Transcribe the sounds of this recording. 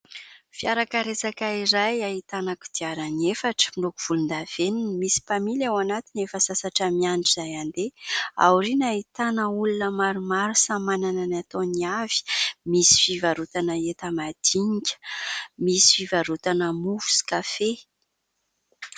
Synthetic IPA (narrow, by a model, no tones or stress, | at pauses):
fijaɾakaɾesakaiɾajaɦit̪anaku̥d̪̥iaɾəniefaʈ͡ʂə̥milukuv̥ulund̪av̥eninimisi̥pamilawanat̪inefəsasaʈ͡ʂamiaɳʈ͡ʂizajand̪ea̰wɾinait̪anəulunəmaɾumaɾusamanananat̪oniav̥i̥misi̥fivaɾut̪anəet̪amad̪̥iɲikʲə̥misi̥fivaɾut̪anəmufu̥si̥kafe